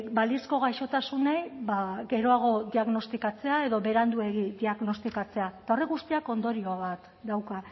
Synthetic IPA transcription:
balisko̞ɣ̞ajʃo̞t̪asunejβaɡe̞ɾo̞aɣ̞o̞d̪iaɣno̞st̪ikat͡se̞ae̞ðo̞βe̞ɾand̪ue̞ɣid̪iaɣno̞st̪ikat͡se̞at̪ao̞reɣust̪iako̞nd̪o̞ɾio̞βat̪ | d̪awka

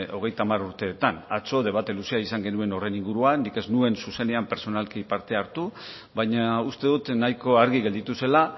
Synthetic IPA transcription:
o̞ɣ̞e̞jt̪amaruɾt̪e̞ːt̪ana̰t͡so̞ðe̞β̞at̪elusiaisaŋɡe̞nue̞no̞re̞niŋɡuɾuanike̞znue̞nsuse̞ne̞ampe̞ɾso̞nalkipaɾt̪e̞aɾt̪u | βajɲaust̪e̞ðut̪najko̞aɾɣiɣe̞ld̪it̪use̞la

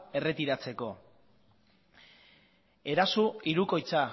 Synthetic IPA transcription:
e̞re̞t̪iɾat͡se̞ko̞ | e̞ɾasuiɾuko̞jt͡sa

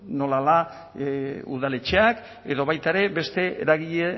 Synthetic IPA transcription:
no̞lala | ṵðale̞t͡ʃeak | e̞ðo̞βajt̪aeɾe̞be̞st̪e̞ḛɾaɣ̞iʎe

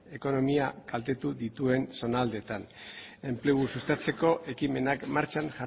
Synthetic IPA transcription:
e̞ko̞no̞miakalt̪e̞t̪uðit̪ue̞nso̞nald̪e̞t̪ane̞mple̞ɣusust̪at͡se̞ko̞ʔe̞kime̞nakmaɾt͡ʃanʝa

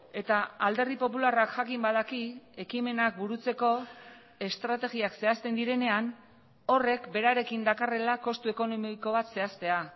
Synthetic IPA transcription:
e̞t̪aald̪e̞rðipo̞pularakʝakimbað̞akie̞kime̞nak̚buɾut͡se̞ko̞ | e̞st̪ɾat̪e̞ɣiakse̞ast̪e̞nd̪iɾe̞ne̞an | o̞re̞kbe̞ɾaɾe̞kind̪akare̞lako̞st̪ue̞ko̞nomiiko̞β̞at̪se̞ast̪e̞a

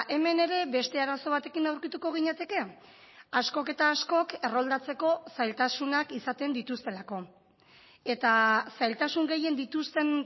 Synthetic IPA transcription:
ʔe̞me̞ne̞ɾe̞be̞st̪e̞aɾaso̞β̞at̪e̞kinawɾkit̪uko̞ɣ̞iɲet̪e̞ke̞ | asko̞ke̞t̪aːsko̞ke̞ro̞ld̪at͡se̞ko̞sajlt̪asunakisat̪e̞nd̪it̪ust̪e̞lako̞ | e̞t̪asajlt̪asuŋɡe̞je̞nd̪it̪ust̪e̞n

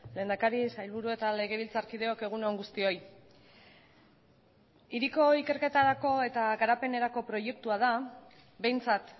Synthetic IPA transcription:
le̞ːnd̪akaɾisajlβuɾue̞t̪ale̞ɣe̞β̞ilt͡saɾkið̞e̞o̞ke̞ɣ̞uneoŋɡust̪io̞j | iɾiko̞ike̞ɾke̞t̪aɾako̞e̞t̪aɣaɾape̞ne̞ɾako̞pɾo̞je̞k̚t̪uað̞a | be̞jnt͡sat̪

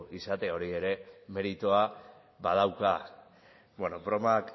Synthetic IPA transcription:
isat̪e̞o̞ɾie̞ɾe̞me̞ɾit̪oa | bað̞awka | bweno̞bɾo̞mak

